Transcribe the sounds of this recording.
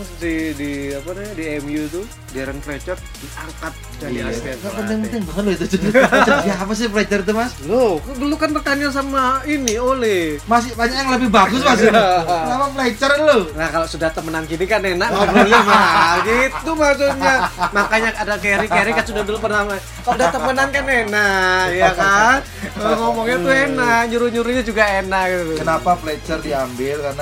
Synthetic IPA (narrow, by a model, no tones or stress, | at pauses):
ssidiapanɛdiɛmjut̪u | daɾənplet͡ʃər | diakat̪̚d͡ʒaiasiaŋaʔpənt̪ɪŋpənt̪ɪŋbəŋət̪̚loit̪ut͡ʃutt͡ʃəiapas̬ɪplɛt͡ʃərt̪̬umaslokbəlukanpərt̪anaŋs̬amainiolɛmas̬ɪhbaɲak̚jaŋləbɪhbaɡʊsmasnamaplet͡ʃərlolahkaloʔsudaht̪əmənankinikanenaʔ̚maubəɾolemaɡit̪umaks̬ut̪̚ɲamakaɲaadakeɾikeɾikasudahbəlupərnama | kalodaht̪əmənankanenaʔjakan | oŋomɔŋɲat̪uenaʔɲuɾuɲuɾuɲad͡ʒuɡaenaʔ̚ɡit̪ut̪ukənapaplɛt͡ʃərdiambɪlkarna